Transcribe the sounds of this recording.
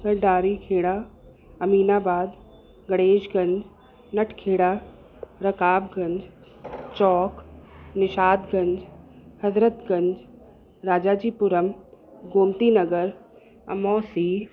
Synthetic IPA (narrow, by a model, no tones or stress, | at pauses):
ɡɐɾɖaːɾikʰeːɽa | ɐmiːnaːbaːd̪ | ɡɐɽeːʃɡɐ̃ɲd͡ʒ | nɐʈʰkʰeːɽaː | ɾɐkaːbɡɐ̃ɲd͡ʑ | t͡ɕɔːknɪʃaːd̪ɡɐ̃ɲd͡ʑhɐzɾət̪ɡɐ̃ɲd͡ʑ | ɾaːd͡ʑaːd͡ʑiːpʊɾəmɡoːmt̪inɐɡəɾ | ɐ̰mɔːsiː